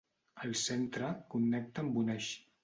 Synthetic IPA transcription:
əlˠsent̪ɾəkunːɛk̚t̪əmbunɛʃ

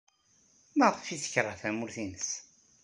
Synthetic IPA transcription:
matˤfiθə̥çɾˤaθæmʊɾθinəs

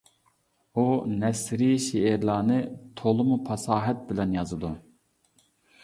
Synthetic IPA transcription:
unɛsɾiʃeːɾlˠɑːnɨt̪ʰolˠɨmupʰɑsɑːɦɛt̪̚bɪlɛnjɑzɨd̪u

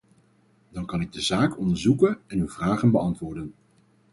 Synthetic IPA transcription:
dɑŋkɑnɪɡ̚dəzaːkɔndəɹzukənɛnywv̥raːχənbəɑntʋʊːɹdən

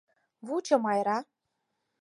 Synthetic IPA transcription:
βut͡ɕɤ̆mɑjɾɑ

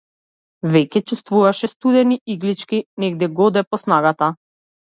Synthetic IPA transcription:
vɛcɛt͡ʃust̪vuvaʃɛst̪ud̪ɛniiɡlit͡ʃkʲinɛɡd̪ɛɡɔd̪ɛpɔsnaɡat̪a

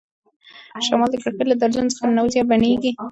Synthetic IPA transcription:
ʃamɑld̪əkaɽkəɾlad̪aɾzunt͡sə̥xanawzjɑbaneɡi

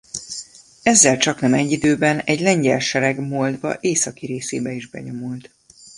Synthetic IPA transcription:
ɛzːɛlt͡ʃɒknɛmɛɟːid̪øːbɛnɛɟlɛɲɟɛlʃɛɾɛɡmoːld̪bɒ̰ʔeːsɒkiɾeːseːbɛiʒbɛ̰ɲo̞mult̪

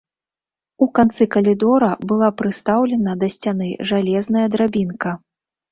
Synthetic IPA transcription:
ukant̪sɨkɐlʲid̪ɔɾɐbɨlˠapɾɨst̪awlʲɛnɐd̪ɐsʲt͡sʲanɨʐalʲɛznɐjɐd̪ɾabʲinkɐ

